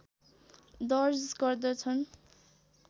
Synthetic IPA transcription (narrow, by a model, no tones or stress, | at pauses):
d̪ʌrsɡʌrd̪ʌt͡sʰʌn